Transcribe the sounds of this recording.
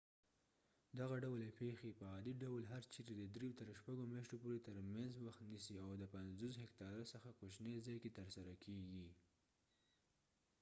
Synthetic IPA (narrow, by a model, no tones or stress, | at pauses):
d̪aɣaɖawlepexepəɑd̪iɖawlɦaɾt͡ʃiɾed̪əd̪ɾejot̪əɾʃpaɡomjɑʃt̪opoɾet̪əɾmanzwaxt̪nisiawd̪əpanzos̬ɦɪkt̪ɑɾasəxakot͡ʃnezɑjket̪əɾsaɾakʰeɡi